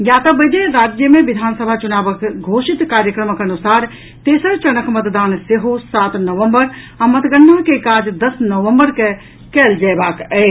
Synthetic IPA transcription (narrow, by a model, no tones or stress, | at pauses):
jaːt̪əbəd̪eɾaːd͡ʒjəmẽʋid̪ʱaːnsəbʱat͡ʃunaːbəkɡʱoːʃit̪kaːɾjəkɾəməkɐnusaːɾ | t̪eːsəɾt͡ʃənəkmət̪d̪aːnseɦosaːt̪nəʋəmbəɾ | ãmət̪ɡənːəɦkekaːd͡ʒd̪əsnəʋəmbəɾke | kɛːld͡ʒajbaːkɛ